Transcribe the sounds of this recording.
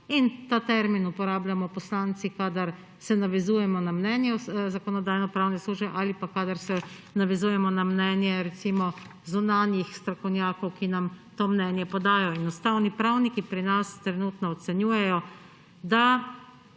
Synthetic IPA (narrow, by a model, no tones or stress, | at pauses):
int̪aːt̪ɛɾminupɔɾaːblamɔpɔslaːnt̪sikaːd̪aɾ | sɛnaʋɛzuːjɛmɔnamnɛnjɛzakɔnɔd̪aːjnɔpɾaːwnɛsluːʒbɛʔaːlipakaːd̪aɾsɛnaʋɛzuːjɛmɔnamnɛnjɛɾɛt̪simɔ | zunaːnjixst̪ɾɔkɔwnjaːkɔwkinamt̪oːmnɛnjɛpɔd̪aːjɔinɔst̪awnipɾawnikipɾinast̪ɾɛnuːt̪nɔːt̪sɛnjuːjɛjɔ | d̪a